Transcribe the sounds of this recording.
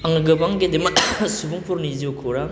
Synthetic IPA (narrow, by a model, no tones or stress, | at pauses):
aŋɯɡɯbaŋɡed̪emsubuŋpʰuɾniziwkʰoɾa